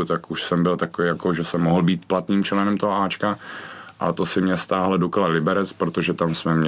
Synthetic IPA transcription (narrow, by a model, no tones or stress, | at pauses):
t̪akuʃsɛmbɪlt̪akovijakoʒɛsɛmːoɦl̩biːt̪plat̪niːmt͡ʃlɛnɛmt̪oɦoaːt͡ʃkaʔa̰t̪osɪmɲɛst̪aːɦldoklalɪbɛɾɛt͡spɾot̪oʒɛt̪amsmɛmɲ